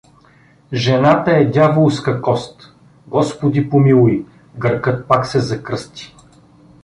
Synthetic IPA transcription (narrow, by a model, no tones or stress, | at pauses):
ʒɛnat̪əɛd̪ʲjavolˠskɐkɔst̪ | ɡɔspod̪ipomilˠʊi | ɡəɾkɤt̪̚paksɛzɐkɾɤst̪i̥